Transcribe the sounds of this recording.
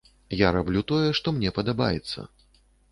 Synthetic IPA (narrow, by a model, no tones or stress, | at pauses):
jaɾablʲut̪ɔjɛʂt̪ɔmnʲɛpɐd̪aba̰jɛ̰t̪sːɐ̰